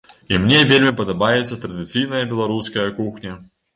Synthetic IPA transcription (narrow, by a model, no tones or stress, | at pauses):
imnʲɛvʲelʲmʲipɐd̪abajɛt̪sːɐt̪ɾɐd̪ɨt̪sɨjnɐjɐbʲɛlˠaɾuskɐjɐkuxnʲɐ